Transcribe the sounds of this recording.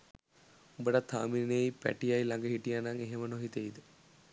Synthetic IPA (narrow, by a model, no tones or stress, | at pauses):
ubəʈət̪ʰːaːmiɾinejpæ̰ʈijajlaŋɡəɦiʈijanaŋeɦemənoɦit̪eid̪ə